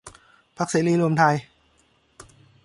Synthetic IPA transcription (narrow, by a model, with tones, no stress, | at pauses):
pʰa˦˥k̚siː˨˦liː˧lu˧əmt̪ʰa˧j